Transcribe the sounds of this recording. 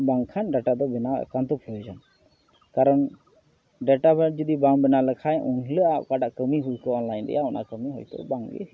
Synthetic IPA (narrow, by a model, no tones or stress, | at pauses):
baŋkʰanɖaʈad̪ɔbɛna̰kant̪ɔpʰlɔd͡ʒan | kaɾɔn | ɖɛʈabɛd͡ʒəd̪ibaŋbɛnaləkʰajʔunɦləaʔkaɖaʔkəmiɦujkəɔnlajnd̪ɛ̰jaɔnʔa̰kəmiɦɔ̰jt̪ɔ̰baŋɡɛ̰